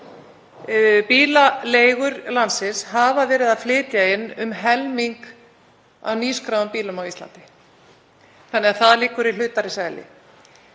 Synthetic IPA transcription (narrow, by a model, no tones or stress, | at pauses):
piːlaleːjɣʏɾlansɪshavavɛːɾɪðaðflɪːt̪jaɪnːʏmɦɛlmiŋk | a̰wniːskɾawʏmpiːlʏmawist̪la̰nt̪ɪ̥ | θanːɛɣaθaðliːkʏɾilʏːt̪aɾɪsaːjlɪ̰